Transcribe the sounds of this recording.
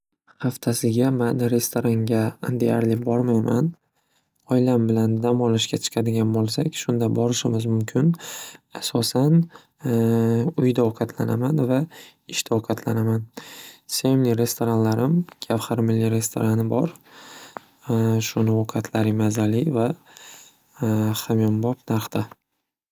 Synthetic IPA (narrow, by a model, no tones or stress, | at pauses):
haft̪ʰasɪɡʲamanɾe̞st̪ʰoɾaŋɡʲad̪e̞jaɾlɪbɒɾmajman | ɒjlambɪland̪amɒlɪʃkʲat͡ʃʰɨ̥qʰɑd̪ɪɡʲanbolˠsakʲʃʊnd̪abɒɾɪʃɪmɪzmʊmkʲʰɪnasɒsan | ʊjd̪aɒqʰɑt̪ʰlanamanva | ɪʃt̪ʰaoqʰɑt̪ʰlanamansemnɪɾe̞st̪ʰo̞ɾanlaɾɪmkʰʲafhaɾmɪlːiɾe̞st̪ʰo̞̰ɾanɪbɒɾ | ʃʊnɪoqʰɑt̪ʰlaɾɪmazalɪva | χamjimbɒpnaɾχt̪ʰa